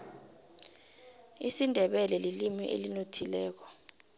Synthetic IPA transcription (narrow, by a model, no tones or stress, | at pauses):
isindʱɛɓɛlɛlilimiʔḛlinotʰilɛːk̬ɔ̥